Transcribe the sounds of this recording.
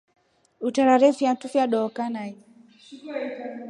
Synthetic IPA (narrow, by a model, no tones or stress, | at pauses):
utaɾaɾɛfiantufjaɗɔːkanai